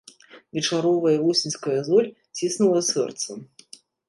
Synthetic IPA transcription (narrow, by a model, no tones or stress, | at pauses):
vʲɛt͡ʂaɾɔvɐjɐvusʲinʲskɐjɐzɔlʲ | t͡sʲisnulˠɐsɛ̰rt̪sɐ